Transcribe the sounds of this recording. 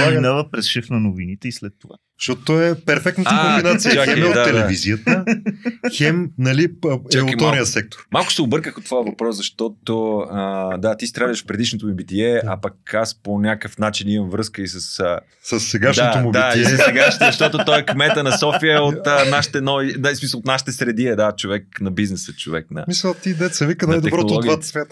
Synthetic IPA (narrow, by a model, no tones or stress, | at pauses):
aɡnavəpɾɛsʃɛfnɐnovinit̪ɛislɛt̪ːova̰ | ʃt̪ɔt̪ot̪ɔɛpɛɾfɛk̚t̪nət̪aombinat̪sijɐɛmɛot̪d̪aːɛd̪lɛviziət̪ə | xɛmnɐlit͡ʃalˠkiɔnijəsɛk̚t̪o̥ɾmalˠkʊ̥sɛobɤɾkəxot̪ːvojəvɐpɾɔszɐʃt̪ɔt̪oəd̪at̪ist̪ɾadʃfpɾɛd̪iʃnot̪omibit̪iɛɐ̰pɐkasponʲakəfnat͡ʃinimɐmvɾɤskəisəsə | səsːɛɡaʃd̪oomubd̪iaisssɛɡaʃzɐʃt̪ɔt̪ot̪ɔɛkmɛt̪ənɐsɔfiəot̪ənaʃi̥t̪ɛnɔinsmisəlˠot̪naʃit̪ɛsɾɛd̪iɛd̪at͡ʃovɛknɐbiznɛsət͡ʃo̰vɛ̰kna̰misət̪id̪ɛsɛvikənajd̪ɛbɾɔt̪olˠɔɡ̪ɡvatt̪svjat̪ə